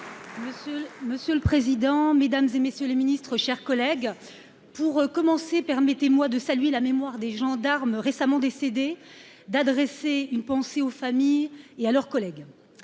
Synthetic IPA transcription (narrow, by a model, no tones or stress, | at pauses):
məsməsjøləpχezid̪ɑ̃med̪amzemesjøleminist̪χəʃɛʁkɔlɛɡ | puʁkɔmɑ̃sepɛʁmɛt̪emwad̪əsalɥelamemwaʁd̪eʒɑ̃d̪aʁmʁesamɑ̃d̪esed̪e | d̪ad̪ʁɛseynpɑ̃seofamijealœʁkɔlɛɡ